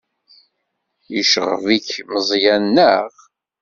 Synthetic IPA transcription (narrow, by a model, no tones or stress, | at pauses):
iʃəʁvikməzˤjænːəʁ